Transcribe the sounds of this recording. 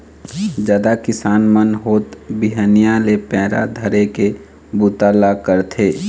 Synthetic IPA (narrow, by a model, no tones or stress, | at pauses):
d͡ʒaːd̪akɪsaːnmənɦoːt̪biɦənijalepɛːɾa̰d̪ʱəɾeke | but̪alakəɾt̪ʰeː